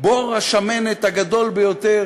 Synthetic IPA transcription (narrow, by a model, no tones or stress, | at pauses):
boʁaʃamenet̪haɡad̪o̞lbejot̪e